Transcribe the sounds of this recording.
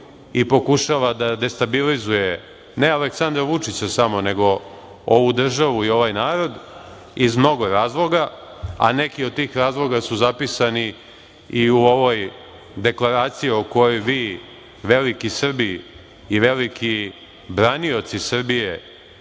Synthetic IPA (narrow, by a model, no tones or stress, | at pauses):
ipo̞kuʃaʋad̪ad̪e̞st̪abilizuje̞ | nealeksand̪ɾaʋut͡ʂit͡ɕasamo̞ne̞ɡo̞ | oʋud̪r̩ʒaʋuio̞ʋajnaːɾo̞d̪ | izmno̞ɡo̞ɾaːzlˠo̞ɡaa̰ne̞kiod̪̚t̪iːxɾaːzlˠo̞ɡasuzapisani | iuo̞ʋo̞j | d̪e̞klˠaɾaːt̪sijio̞ko̞jojʋiː | ʋe̞likisr̩biː | ʋe̞likʰi | bɾanio̞t̪sisr̩bije̞